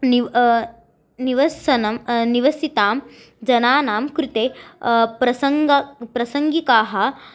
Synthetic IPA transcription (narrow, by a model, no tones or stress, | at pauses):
ni | niʋɐsɐnɐmniʋɐsit̪aːm | d͡ʒɐnaːnaːmkɾut̪eːpɾɐsɐŋɡɐpɾɐsɐŋɡikaːɦɐ